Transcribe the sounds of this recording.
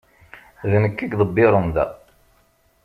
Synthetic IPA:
ðnəkːiɡðˤəbːɪɾˤənðæ̰

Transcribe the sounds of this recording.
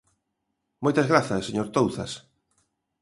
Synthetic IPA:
mojt̪ɐzɣɾaθɐsːeɲoɾt̪owθɐ̰s

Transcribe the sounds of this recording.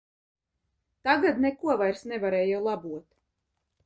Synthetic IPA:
t̪aɡad̪nekuɔvajɾsnɛvaɾɛːjɛwlˠabuɔt̪

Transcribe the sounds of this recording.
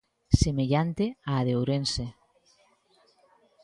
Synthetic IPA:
semeʎant̪eaːðewɾense

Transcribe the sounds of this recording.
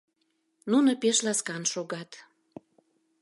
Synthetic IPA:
nunopeʃlɑskɑnʃoɣɑt̪

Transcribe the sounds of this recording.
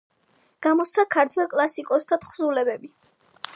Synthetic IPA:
ɡ̥amɔst̪sʰakʰaɾt̪ʰwɛlˠkʼlˠasikʼɔst̪ʰat̪χzulɛbɛbi

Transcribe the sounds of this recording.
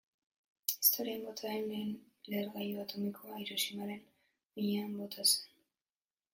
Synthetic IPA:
ist̪o̞ɾiambot̪ʰaenn | leɾɣajuat̪o̞mikʰoajɾosimaɾe̞n | ijeambo̞t̪ʰase̥n

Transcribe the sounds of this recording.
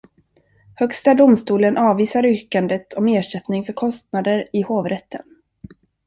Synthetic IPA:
hœkst̪ad̪ʊmst̪uːlənʔɑːviːsaɾʏːkand̪ət̪ʰɔmeːʂɛt̪nɪŋfœɾkʰɔst̪nad̪əɾɪhoːvɾɛt̪ːən

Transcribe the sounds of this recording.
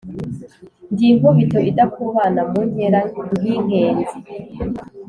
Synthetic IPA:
ndiːŋuβitoidakuβaːnamuɲeɾaɡiŋɡeːnzi

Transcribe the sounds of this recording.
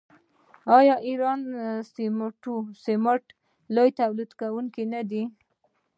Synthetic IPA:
ɑjɑʔiɾɑnsimʈusemaʈ | lojt̪awlid̪kawuŋkinad̪i

